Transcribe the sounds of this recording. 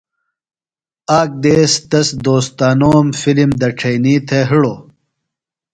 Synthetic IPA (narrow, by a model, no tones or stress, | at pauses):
aːk̚d̪eːst̪ɐsd̪oːst̪aːnoːmfilimd̪ɐʈ͡ʂʰɐjniːt̪ʰeɦiɽoː